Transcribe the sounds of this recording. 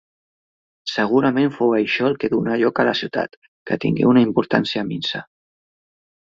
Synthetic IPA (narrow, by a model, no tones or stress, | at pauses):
səɣ̞uɾəmeɱfowəjʃɔəlˠkeðunaʎɔkələsiwt̪a̰t̪ | kət̪ḭŋɡḛunaimpuɾt̪ansiəminsa